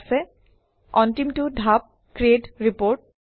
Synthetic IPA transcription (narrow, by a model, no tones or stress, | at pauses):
sɛ | ɔntimtudʱap̚ | kɹieʈɹipoɹʈ̚